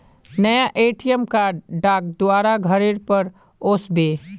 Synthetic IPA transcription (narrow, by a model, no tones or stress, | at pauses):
nəjaʔeːʈijəmkaːɖɖaːk̚d̪ʊaːɾaɡʱəɾeɾpəɾ | oːsbeː